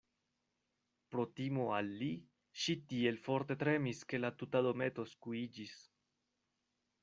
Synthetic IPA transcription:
pɾot̪imoalːi | ʃit̪ielfoɾt̪e̞t̪ɾemiske̞lat̪ut̪ad̪omet̪o̞skuid͡ʒis

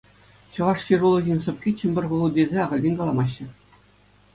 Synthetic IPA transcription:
ɕɤ̆ʋɑʂɕirulˠɤ̆ɡʲinʲsɤ̆p̚ʲkʲit͡ɕɘ̆mʲbʲɘ̆rʲʁuʋɤ̆lˠdʲezʲeɑʁɤ̆lʲdʲenʲkɑlˠɑmɑɕːɘ̆

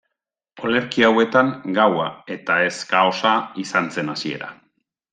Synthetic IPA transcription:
o̞le̞ɾkiawe̞t̪aŋɡawae̞t̪ae̞skao̞saisant͡se̞nasie̞̰ɾa̰

